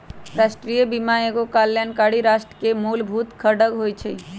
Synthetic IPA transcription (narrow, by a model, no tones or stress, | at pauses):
ɾasʈɾijəbimãeɡokaljankaɽiɾasʈɾəkemulbʱut̪kʰəɖəɡɦojt͡ʃʰə